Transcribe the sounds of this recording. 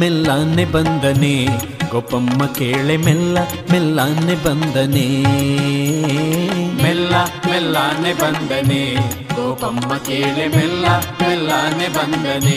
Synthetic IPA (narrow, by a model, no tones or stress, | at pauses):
mɛlːaːnebɐnd̪ɐne | ɡopɐmːɐkeːɭemɛlːɐ | mɛlːanːebɐnd̪ɐne | mɛlːɐmɛlːaːnebɐnd̪ɐne | ɡopɐmːɐkeːɭemɛlːɐmɛlːaːnebɐnd̪ɐne